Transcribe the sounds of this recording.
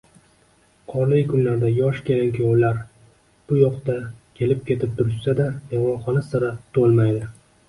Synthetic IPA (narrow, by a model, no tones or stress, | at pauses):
qʰɒɾlɪjkʰʊnlaɾd̪ajɒʃkʲʰe̞lɪŋkʲjowlaɾ | b̥ʊjɒqt̪akʲʰe̞lɪp̚kʲʰe̞t̪ʰɪp̚t̪ʰʊɾɪʃsad̪ab̪eʁmɒnχɒnasaɾat̪ʰolˠmajd̪ɪ